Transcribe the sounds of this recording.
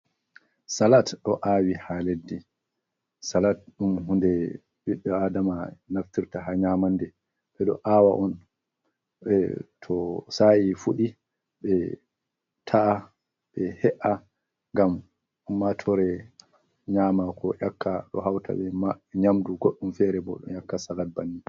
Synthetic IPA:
salatɗɔʔaːwihaledːi | salat̚ɗumɦundɛ | biɗːɔadamanaftiɾtaɦaɲaːmandɛ | ɓɛɗɔ̰ʔaːwaʔɔn | ɓɛtʰɔsajifuɗi | ɓɛ | tʰaʔː | ɓɛhɛʔa | ŋɡam | ʔumːatʰɔɾɛ | ɲaːmakʰɔʔakʰːaɗɔ̰ɦawtʰa̰ɓɛmaɲamduɡoɗːumfɛɾɛbɔɗɔ̰jakːasalat̚banːi

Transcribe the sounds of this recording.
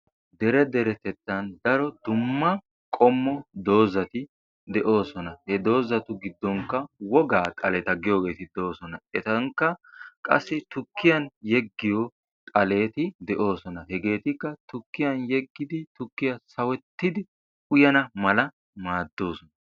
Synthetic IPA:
d̪ɛɾɛd̪ɛɾɛt̪ɛt̪ːɐnd̪ɐɾɔd̪ʊmːɐ | kʼɔmːɔd̪o̞ːzɐt̪ɪ | d̪ɛʔo̞ːsɔnɐhɛd̪o̞ːzɐt̪ʊɡɪd̪ːɔŋkːɐwɔɡaːkʼɐlɛːt̪ɐɡɪjo̞ːɡe̞ːt̪ɪd̪oːsɔnɐɛt̪ɐŋkːɐkʼɐ̰sːɪt̪ʊkːɪjɐnjɛɡːɪjɔ | kʼɐle̞ːt̪ɪd̪ɛʔo̞ːsɔnɐhɛɡe̞ːt̪ɪkːɐt̪ʊkːɪjɐnjɛɡːɪd̪ɪt̪ʊkːɪjɐsɐwɛt̪ːɪd̪ɪ | ʊjɐnɐmɐlɐ | maːd̪ːo̞ːsɔnɐ

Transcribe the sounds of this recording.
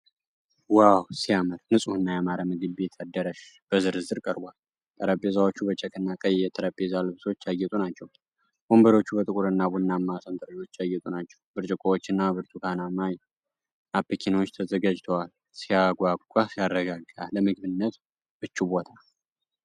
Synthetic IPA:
wawsijaməlnɨsʼuhɨnːajamaɾamɨɡɨbbe̞t̪ʰad̪ːəɾəʃb̥əzɨɾɨzɨɾkʼəɾbʷal | t̪ʼʰəɾəpʼezawot͡ʃːubət͡ʃʰɛkʰɨnːakʼəjɛt̪ʰəɾəpʼːezalɨβso̞t͡ʃːjajɛt̪ʼunat͡ʃːɛw | b̥o̞mbəɾo̞t͡ʃːubət̪ʼɨkʼuɾɨnːabunːamːasənt̪ʼɨɾəd͡ʒo̞t͡ʃːajːɛt̪ʼunat͡ʃːɛ̥wbɨɾt͡ʃʼɨkʼowot͡ʃːɨnːabɨɾt̪ʰukʰanamaj | apʰːəkʰinwot͡ʃːt̪ʰəzəɡad͡ʒt̪ʰowal | sijaɡʷaɡʼukʼasijarːəɡaɡaləmɨɡbɨnːət̪ | b̥ɨt͡ʃːubo̞t̪ʰa

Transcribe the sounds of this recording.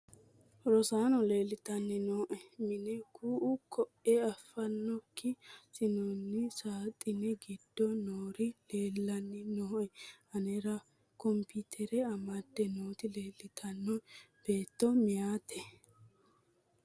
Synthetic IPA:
ɾɔsaːnɔle̞ːlːɪt̪ɐnːɪnoːʔɛmɪnɛkuːʔʊkʰɔʔɛɐfːɐnːɔkːɪsɪnɔnːɪsaːt̪ʼːɪnɛɡɪd̪̥ːɔnoːɾɪle̞ːlːɐnːɪnoːʔɛɐnɛɾɐ | kɔmpit̪ʰɛɾɛɐmɐd̪ːɛnoːt̪ɪle̞ːlːɪt̪ʰɐnːɔb̥e̞ːt̪ːɔmɪjaːt̪ɛ

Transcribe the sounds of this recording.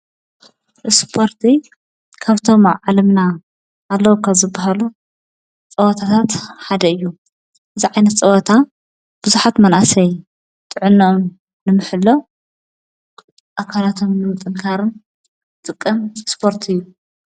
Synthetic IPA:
ʔɨspʰo̞ɾt̪ʰi | kʰaβt̪ʰo̞mʕalɐmnaː | lːɐwukʰaβzɨbːaɦalu | t͡sʼɐwɐt̪ʰat̪ʰat̪ħad̪ɐɨjːu | ʔɨziʕajnɐt̪t͡sʼɐwɔt̪ʰa | b̥ɨzuħat̪mɐnʔasɐj | t̪ʼɨʕɨnːɐun | nɨmɨħɨlːo | ʔakʰalat̪ʰo̞mnɨmɨt̪ʼɨŋkʰaɾɨn | t̪ʼɨkʼːɐmspʰo̞ɾt̪ʰɨjːu

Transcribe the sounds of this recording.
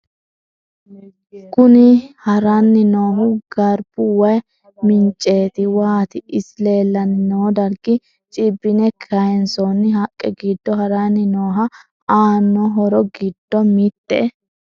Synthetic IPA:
kʊnɪhɐɾɐnːɪnoːɦʊɡ̥ɐɾb̥ʊwɐj | mɪnt͡ʃʼːe̞ːt̪ɪwaːt̪ɪɪsle̞ːlːɐnɪnoːd̪ɐɾɡɪ | t͡ʃʼɪbːɪnɛkʰɐjɛnsɔnːɪɦɐkʼːɛɡid̪ːɔhɐɾɐnːɪnoːɦɐ | aːnːɔɦɔɾɔɡɪd̪̥ːɔmit̪ːɛ̰

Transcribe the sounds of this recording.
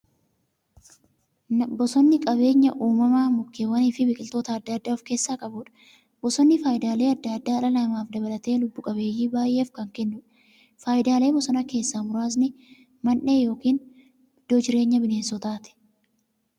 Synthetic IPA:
nbɔsɔnːɪkʼɐβe̞ːɲːɐʔuːmɐmaːmʊkːeːwɐniːfɪbɪkʼɪlt̪o̞ːt̪ɐːd̪ːɐːd̪ːaːfke̞ːsːaːkʼɐbuːᶑɐ̥ | bɔsɔnːɪfaːjɪd̪aːle̞ːɐd̪ːɐd̪ːaːɐlɐlɐmaːfd̪ɐbɐlɐt̪e̞ːlʊbːʊkʼɐβe̞ːjːiːbaːjʔːeːfkɐŋkɛnːʊᶑ | faːjɪd̪aːle̞ːbɔsɔnɐke̞ːsːaːmʊɾaːs̬nɪ | mɐnːe̞ːjo̞ːkiːn | d̪̥ɔd͡ʒɪɾe̞ːɲːɐbɪne̞ːnsɔt̪aːt̪ɛ̥

